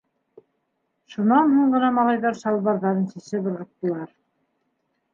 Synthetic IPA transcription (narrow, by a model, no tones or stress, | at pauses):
ʃunɑnhuɴɢɤ̆nɑmɑlˠɑjðɑɾʃɑlˠβɑɾðɑɾɤnsɘ̆sɘbɤ̆ɾʁɤ̆t̚t̪ːɤ̆lˠɑɾ